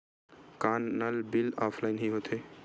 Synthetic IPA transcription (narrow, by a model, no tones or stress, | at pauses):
kanːəlbilapʰlaɪnɦiɦot̪ʰe